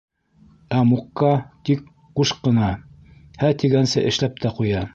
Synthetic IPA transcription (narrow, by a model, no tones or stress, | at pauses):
æmuqːɑt̪ik | quʃqːɤ̆nɑ | hæt̪iɡænsɘʔɘ̆ʃlæp̚t̪ʰæqujɑ